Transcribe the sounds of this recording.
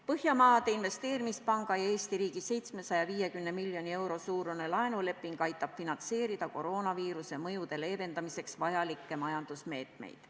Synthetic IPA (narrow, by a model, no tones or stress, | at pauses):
pɤhjɑmɑːd̪̥einve̞st̪e̞ːɾimispɑŋɡ̥ɑjɑe̞ːst̪iɾiːɡise̞jt̪sme̞sɑjɑviːje̞kymne̞milːjo̞nie̞wɾo̞suːɾune̞lɑenule̞pːˑiŋɡ̥ɑjt̪ːˑɑb̥finɑnse̞ːɾid̪̥ɑko̞ɾo̞ːnɑviːɾuse̞mɤjud̪e̞le̞ːve̞nd̪ɑmise̞ksvɑjɑlikːe̞mɑjɑnd̪usme̞ːt̪ˑme̞̰jd̪̥